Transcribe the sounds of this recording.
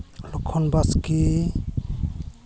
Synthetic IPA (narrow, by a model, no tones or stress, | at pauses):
lɔkʰːɔnbaski